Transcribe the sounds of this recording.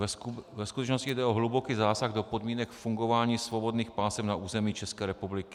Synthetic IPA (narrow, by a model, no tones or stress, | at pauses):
vɛskut̪ɛt͡ʃno̞scɪjdɛʔoɦlubo̞kiːzaːsaɣdo̞po̞dmiːnɛkfuŋɡo̞vaːɲiːsvo̞bo̞dniːxpaːsɛpnaʔuːzɛmiːt͡ʃɛskɛːɾɛpublɪkɪ̥